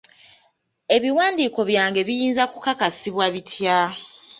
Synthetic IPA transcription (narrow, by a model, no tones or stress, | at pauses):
e̞βiwaːndiːko̞βjaːŋɡe̞βijiːnzakukakasiβwaβitʰja